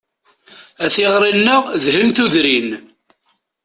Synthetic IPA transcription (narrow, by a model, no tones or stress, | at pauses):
æθiʁɾˤinːəʁðhəmt̪uðɾin